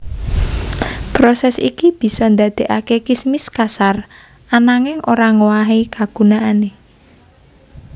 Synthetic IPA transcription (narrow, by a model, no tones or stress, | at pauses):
pɾosɛsikib̥i̤sɔnd̪a̤d̪̥e̤ʔakekismɪskasar | anaŋɪŋʔoɾaŋowaɦikaɡ̥ṳnaane